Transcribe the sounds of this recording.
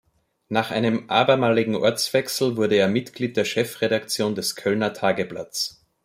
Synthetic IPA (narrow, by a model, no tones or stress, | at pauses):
naːχʔa̰ɪnəmʔa̰ːbɐmaːlɪɡŋ̩ʔɔ̰ɐt͡sv̥ɛksl̩vʊɐɾəeːɐmɪtɡ̥liːt̚d̥eːɐʃɛfʁeɾakt͡sjoːndɛskʰœlnɐtʰaːɡəpla̰t͡s